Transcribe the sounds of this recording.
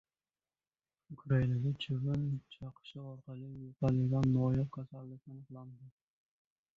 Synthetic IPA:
ʊkʰɾainad̪at͡ʃʰɪvɪnt͡ʃʰɑqʰɨ̥ʃɪɒɾqɑlɪjopʰalɪɡʲanːɒjɒp̚kʲʰasalːɪkʲanɨqlˠand̪ɪ

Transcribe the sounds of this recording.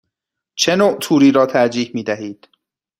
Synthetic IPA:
t͡ʃʰenoːt̪ʰuːɾiːɾɒːt̪ʰæɾd͡ʒiːhmiːd̪æɦiːd̪̥

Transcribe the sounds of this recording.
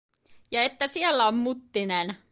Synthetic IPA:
jɑet̪ːæsielːæommut̪ːinen

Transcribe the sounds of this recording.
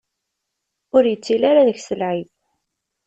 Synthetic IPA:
ʊɾjət͡sːilaɾaðəçsəlʕið

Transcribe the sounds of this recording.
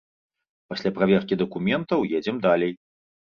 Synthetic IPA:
pasʲlʲapɾavʲɛrkʲid̪ɐkumʲɛnt̪ɐwjɛd͡zʲɛmd̪alʲej

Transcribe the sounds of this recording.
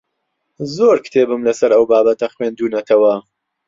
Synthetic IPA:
zoɾkʰɨ̥t̪ʰeːbɨmlɐsɐɾɐwbaːbɐt̪ɐχweːnd̪uːnɐt̪ʰɐwɐ

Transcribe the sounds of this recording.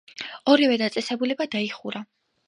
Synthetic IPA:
ɔɾivɛd̪at̪sʼɛsɛbulɛbad̪aiχuɾa

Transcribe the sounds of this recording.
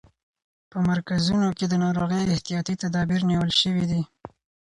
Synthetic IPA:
pəmaɾkazunoked̪ənɑɾoɣəjɪht̪ijɑt̪it̪ad̪ɑbiɾniwəlʃəwid̪i

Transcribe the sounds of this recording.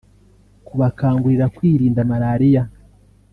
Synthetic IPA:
kuβakaːŋɡuɾiɾakwiːɾiːndamaɾaːɾija

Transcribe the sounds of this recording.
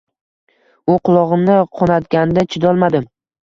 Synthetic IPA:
ʊqʰʊlˠɒʁɨmnɪqʰɒnat̪ɡʲanɪd̪at͡ʃʰɪd̪ɒlˠmad̪ɪm

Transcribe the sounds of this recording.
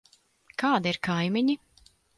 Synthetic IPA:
kaːd̪iɾkʰajmʲiɲi

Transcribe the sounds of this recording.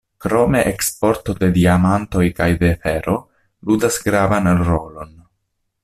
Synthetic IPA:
kɾo̞me̞ʔekspo̞ɾt̪o̞d̪e̞d̪iamant̪o̞jkajd̪e̞feɾo | ludasɡɾavanɾolo̞n

